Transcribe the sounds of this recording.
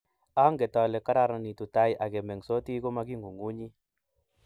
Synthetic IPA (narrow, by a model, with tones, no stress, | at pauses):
a˦ŋɡe˨tɔ˨le˨ka˦ɾa˧˨ɾa˨ni˨tu˨ta˦jʔa˨ɡe˨me˨ŋso˦ti˦ko˦ma˧ɡi˦ŋɡu˨ŋu˦ɲi˦